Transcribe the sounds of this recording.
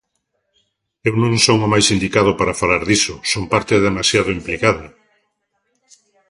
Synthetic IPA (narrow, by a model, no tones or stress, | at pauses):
ewnõŋsoŋomajsind̪ikað̞ʊpaɾafalaɾðisʊsompaɾt̪eðemasjaðʊimplikaðʊ